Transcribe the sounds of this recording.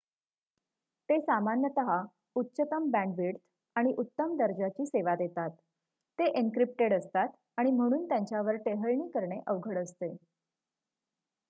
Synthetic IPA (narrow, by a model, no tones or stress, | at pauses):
t̪esamanjət̪əɦa | utːɕət̪əmbæ̃ɳɖʋiɽt̪ʰ | aɽ̃iʔut̪ːəmd̪əɾd͡ʑat͡ɕiːseʋad̪jet̪at̪ː | eʔeŋkɾip̚ʈeɽəst̪at̪ | aɽ̃im̤əɽ̃uːnt̪jãɲt͡ɕjaʋəɾʈeɦəɭɳiːkəɾɳeʔəʋɡʱəɽəst̪e